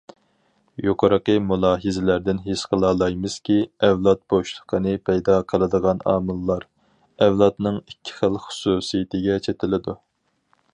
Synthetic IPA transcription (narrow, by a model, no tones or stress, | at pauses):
joqʰəɾəqəmulˠɑːɦɨzɪlæɾd̪ɪnɦeʃqʰəlˠɑːlˠɑjmɨz̥kʲiɛvlˠɑt̪̚b̥oʃlˠə̥qʰənɨpʰɛjd̪ɑqʰəlˠɨd̪əʁɑnɑ̰ːmɨlˠːɑɾ | ɛvlˠɑt̪nɨŋikʲʰːi̥χəlˠχʊ̥suːsijɪt̪ʰɪɡʲɛt͡ʃʰet̪ʰɪlɪd̪u